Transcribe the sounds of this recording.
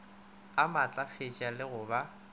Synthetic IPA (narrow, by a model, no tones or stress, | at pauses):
amat͡ɬʼafɪt͡ʃʼalɪɣʊba